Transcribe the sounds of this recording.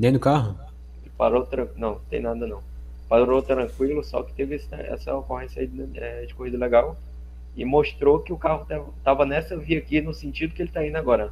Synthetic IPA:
nẽj̃d̪ʊkaɦʊ | ɪpa̰ɾot̪ɾɐ̃nɐ̃w̃t̪ḛ̃j̃nad̪ɐnɐ̃w̃ | paɾoɾot̪ɾɐ̃kwilʊsɔ̰kɪ̥t̪evɪesɐɛ̰sɐ̰okohẽsjɐ̰iɛd͡ʒɪkohid̪ɐleɡaw | ɪmoʃt̪ɾokɪʊkahʊt̪avt̪avɐnɛsɐviɐkinʊsẽnt͡ʃid̪ʊkɪelɪt̪aĩnd̪ʊaɡɔɾɐ

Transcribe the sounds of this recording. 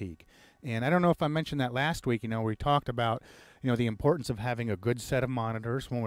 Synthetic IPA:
ik | ɨ̃naɪɾõʊ̃noʊəfaɪmɛ̃nʃn̩ðɨtˡlæst̚wikjɨnoʊwitʰɔk̚tɨbaʊt̚jɨnoʊðiɨ̃mpʰɔɹʔn̩sʌv̥ɦævɪ̃ŋɨɡʊdsɛɾʌvmɑnɨɾə˞z̥wə̃nw

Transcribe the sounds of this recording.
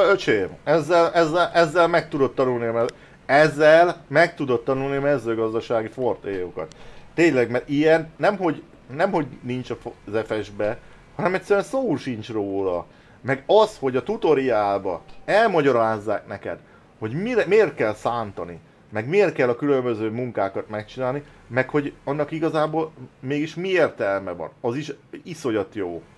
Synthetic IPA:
øt͡ʃeːɛzːɛlɛzːɛlʔɛzːɛlmɛk̚t̪ud̪o̞t̪ːɒnulniɒmɛ | ɛzːɛlmɛk̚t̪ud̪o̞t̪ːɒnulniɒmɛzøːɡɒzd̪ɒʃaːɡifort̪eːjokɒ̰t̪ːeːɲlɛɡmɛɾijɛnːɛmɦo̞ɟ | nɛmho̞ɟnint͡ʃɒfzɛfɛʒbɛ | hɒnɛmɛtsɛɾyɛnsoːʃint͡ʃroːlɒ̰ | mɛɡɒsho̞ɟɒt̪ut̪o̞ɾiaːlbɒɛlmɒɟɒɾaːzːaːknɛkɛ̰d̪ | ho̞ɟmimeːrt̪̚kɛlsaːnt̪ɒni | mɛɡmeːrt̪kɛlːɒkylø̞mbø̞zøːmuŋkaːkɒt̪mɛkt͡ʃinaːlni | mɛkho̞ɟɒnːɒkiɡɒzaːboːlmeːɡiʃmieːrt̪ɛlmɛvɒ̰nɒziʃiso̞jɒt̪joː

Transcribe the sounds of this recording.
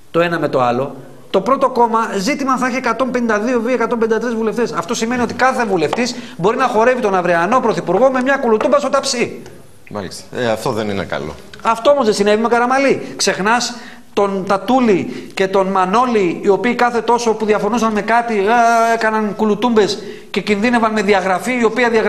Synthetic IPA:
t̪o̞e̞nɐme̞t̪o̞ɐlo̞ | t̪o̞pɾo̞t̪o̞ko̞mɐzit̪imɐθɐçiekɐt̪o̞mpe̞nind̪ɐðio̞viekɐt̪o̞mbenĩd̪ɐt̪ɾizvule̞ft̪e̞sɐft̪o̞sime̞nio̞t̪i̥kɐθe̞vule̞ft̪isbo̞ɾinɐxo̞ɾe̞vit̪o̞nɐvɾeɐno̞pɾoθipuɾɣo̞me̞mɲɐkulut̪umbɐsot̪ɐpsi | mɐlist̪ɐ̥eɐft̪oðeninḛkɐ̰lo̰ɐft̪o̞omozðesine̞vimekɐɾɐmɐlikse̞xnɐs | t̪o̞nt̪ɐt̪ulice̞t̪o̞nmɐno̞liːo̞piːkɐθe̞t̪o̞so̞puðiɐfo̞nusɐnme̞kɐt̪ieekɐnɐnkulut̪umbe̞s | ce̞cinðine̞vɐnme̞ðiɐɣɾɐfiio̞piɐðiɐɣ

